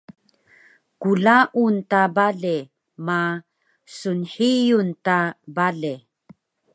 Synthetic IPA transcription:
kulaʔuntabaɮe | ma | sunħijuntabaɮe

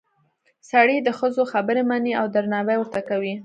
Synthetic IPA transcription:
saɽid̪əxəzoxabəɾemaniawd̪aɾnɑwajwəɾt̪akawi

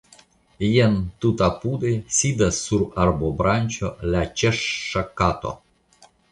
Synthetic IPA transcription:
jent̪ut̪apud̪esʲid̪asːuɾarbobɾanʲt͡ʃo̰lat͡ʃeʂːakat̪o̰

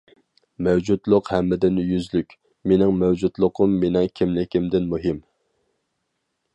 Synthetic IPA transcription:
mɛwd͡ʒud̪lˠʊqhɛmːɪd̪ɪnjyzlykʲ | menɪŋmɛwd͡ʒud̪lˠʊqʰʊmːenɪkʲʰimlɪkʲʰimd̪ɪnmuɦɪm

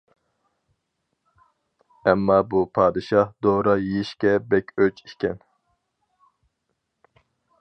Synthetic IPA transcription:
ɛmːɑbupʰɑːd̪ɨʃɑhd̪oːɾɑjiʃkʲɛbɛkʲøt͡ʃikʲɛn

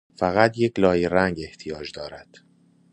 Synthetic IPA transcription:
fæɣæt̪ʰje̞cʰlɒːjeɾæŋɡe̞ht̪ʰijɒːd͡ʒd̪ɒːɾæd̪̥

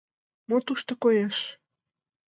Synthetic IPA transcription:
mot̪uʃt̪okojeʃ

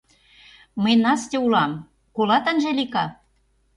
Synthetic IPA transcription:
məjnɑst̪ʲeulɑm | kolɑt̪ənʒelʲikɑ

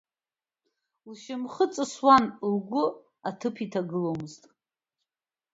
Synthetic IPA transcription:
uʃɪmχət͡sʼɨswanlɡʷʊ | atʰɨpʰitʰaɡɨlowmɨztʼ

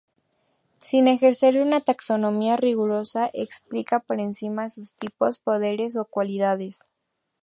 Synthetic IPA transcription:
sine̞xe̞ɾse̞ɾunat̪akso̞nõ̞miariɣuɾo̞saʔeksplikapo̞ɾe̞nsimasust̪ipo̞spo̞ðe̞ɾe̞s̬o̞kwaliðaðe̞s

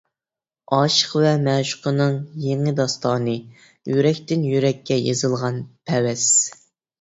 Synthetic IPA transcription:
ɑːʃə̥qvɛmɛʃʊ̥qʰənɨŋjeŋɪd̪ɑst̪ɑːnɨ | jyɾɛkʲt̪ɪnjyɾɛkʲʰːɛjezɨlˠʁɑnpʰɛwɛs

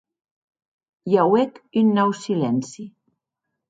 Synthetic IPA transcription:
jawekynːɔwsilɛnsi

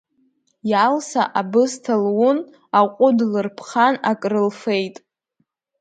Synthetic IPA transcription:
jalsaʔabɨstʰalwʊn | aqʷʼʊdlɨrpʰχanakʼrɨlfe̞jtʼ

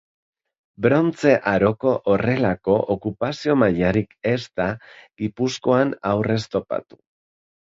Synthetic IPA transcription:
bɾo̞nt͡se̞ʔaɾo̞ko̞ʔore̞lako̞ʔokupasio̞maʎaɾike̞st̪aɡipusko̞anawre̞st̪o̞pa̰t̪u̥

